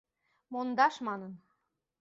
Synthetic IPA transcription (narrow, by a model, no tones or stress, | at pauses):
mond̪ɑʃmɑnən